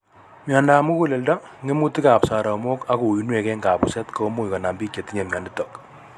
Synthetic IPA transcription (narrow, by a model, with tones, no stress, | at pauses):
mja˨nda˨mu˦ku˦le˨lda˦ŋɡe˦mu˦ti˦ka˨psa˨ɾa˨mo˦ka˦ku˨i˦nwe˨kɛ˦ŋɡa˨bu˨sɛ˦tko˦mu˦i˨ka˨na˨mbi˦kːe˨tːi˦ɲe˨mja˨ndɪ˦tɔk